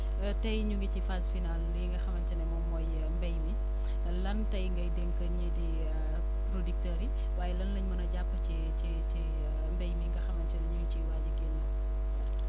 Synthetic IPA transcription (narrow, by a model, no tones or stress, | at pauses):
tɐjɲuŋɡicifazfinaljiŋɡɐxɐmɐnt͡ʃɐnɛmɔmɔj | mbɛjmi | lɐntɐjŋɡɐjdɛŋkɐɲedi | pɾodik̚tɐɾi | waːjɛlɐnləɲmɐnɐɟapːət͡ʃi | t͡ʃi | t͡ʃi | mbɛjmiŋɡɐxɐmɐnt͡ʃɐnɐɲuŋɡt͡ʃiwaːɟɐkɛnːɐ